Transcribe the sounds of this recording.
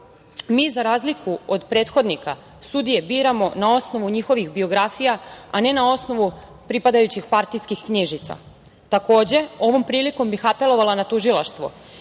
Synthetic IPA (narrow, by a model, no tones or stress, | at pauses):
miːzaɾaːzlikuod̪pɾe̞ːt̪xo̞d̪nika | sud̪ije̞biːɾamo̞nao̞sno̞ʋuɲixo̞ʋixbio̞ɡɾafijaane̞nao̞sno̞ʋu | pɾipad̪ajut͡ɕixpaɾt̪iskixkɲiʒit̪sa̰ | t̪ako̞ːd͡ʑe̞o̞ʋo̞mpɾiːliko̞mbixape̞lo̞ʋalanat̪uʒilˠaʃt̪ʋo̰